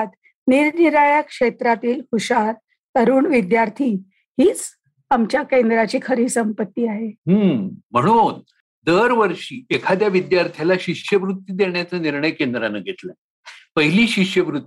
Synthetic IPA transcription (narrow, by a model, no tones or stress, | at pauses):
t̪ | niɾniɾaɭjakʂet̪ɾat̪iːlhuɕaɾ | t̪əɾuːɳʋid̪jaɾt̪ʰiː | hiːt͡s | amt͡ɕjakend̪ɾat͡ɕiːkʰəɾiːsəmpət̪ːiːaɦeɦəːm̤əɽ̃un | d̪əɾʋəɾʂiːekʰad̪jaʋid̪jaɾt̪ʰjalaɕiʂjəʋɾut̪ːjid̪eɳjat͡saniɾɳəjkend̪ɾanəɡʱet̪la | pəɦiliːɕiʂjəʋɾut̪ːi